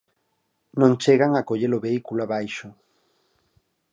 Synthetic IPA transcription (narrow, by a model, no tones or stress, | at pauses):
nõŋt͡ʃeɣaŋakoʎeloβeikuloaβajʃʊ